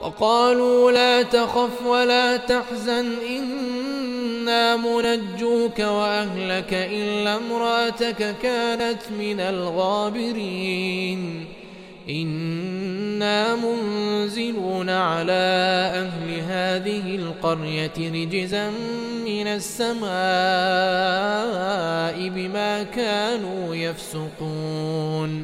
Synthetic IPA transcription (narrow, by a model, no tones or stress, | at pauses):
wɑ̰qɑːluːlaːt̪axafwalaːt̪aħzanʔɪnː | aːmʊnad͡ʒːuːkawaʔahlakaʔɪlːamɾˤɑʔat̪akakaːnat̪mɪnalɣaːbɪɾiːn | ʔɪnː | aːmʊnzɪluːnaʕalaːʔahlɪɦaːðɪhɪlqɑɾjat̪ɾɪd͡ʒzam | mɪnasːamaː | ʔɪbɪmaːkaːnuːjafsʊquːn